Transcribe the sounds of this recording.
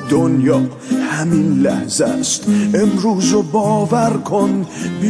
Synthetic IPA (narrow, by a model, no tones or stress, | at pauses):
d̪onjɒː | hæminlæhzæst̪ʔemɾuːzobɒːvæɾkʰonbi